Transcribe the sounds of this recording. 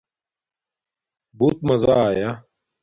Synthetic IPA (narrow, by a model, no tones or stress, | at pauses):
buːt̪̚mɐzaːja